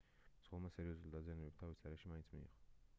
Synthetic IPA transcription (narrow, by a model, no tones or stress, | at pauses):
z̥ʁɔlˠmasɛɾiɔzulˠd̪azianɛbɛp̚t̪ʰavisaɾɛʃimainsʰmḭḭʁɔ